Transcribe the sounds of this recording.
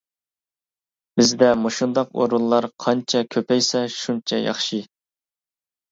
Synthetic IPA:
b̥ɪzd̪ɛmoʃund̪ɑqo̰ɾulˠlːˠɑɾqʰɑnt͡ʃʰɛkʲʰøpɛjsɛʃunt͡ʃʰɛjɑ̰χʃi

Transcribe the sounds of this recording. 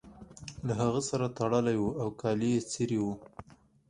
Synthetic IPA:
laɦaɣəsaɾat̪aɽəlajwuawkɑlijet͡siɾiwu

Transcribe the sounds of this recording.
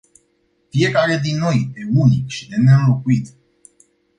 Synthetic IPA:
fije̞kaɾe̞d̪inːo̞jeunikʃid̪e̞neɨmlo̞kuit̪

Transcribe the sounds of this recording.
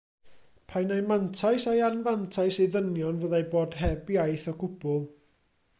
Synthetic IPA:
pʰajnajmantʰajsajanvantʰajsiðənjɔnvəːðajboːd̥ɦɛbjajθɔɡʊb̥ʊlˠ

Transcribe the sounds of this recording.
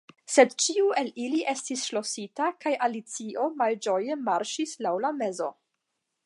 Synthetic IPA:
se̞dt͡ʃiue̞liliʔe̞stisʃlo̞sitakajʔalit͡sio̞mald͡ʒo̞je̞maɾʃislawlame̞zo̞

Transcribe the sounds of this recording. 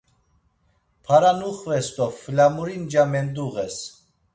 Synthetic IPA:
pʰaɾanuχvɛst̪ɔflamuɾind͡ʒamɛnd̪uɣɛs

